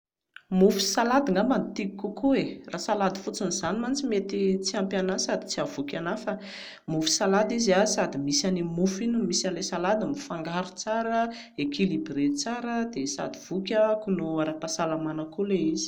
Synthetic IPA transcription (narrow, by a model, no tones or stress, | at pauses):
mufu̥salad̪iŋamant̪ikikukuerasalad̪i̥fut͡sinizanimant͡simet̪it͡siampjanasad̪i̥t͡siavukʲanafə | mufu̥salad̪iziasad̪imisanimufinimisanlesalad̪amifaŋɡaɾut͡saɾə | ekilibiɾet͡saɾəd̪esa̰d̪iv̥ukʲəkunoaɾapasalamanəkuleizi̥